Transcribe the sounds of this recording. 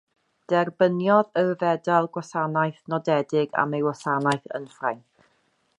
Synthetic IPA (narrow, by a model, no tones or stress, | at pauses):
d̥ɛrbənjɔðəvɛdalˠɡwasanajθnɔdɛdɪɡa̰mejwɔsanajθə̰nfrajn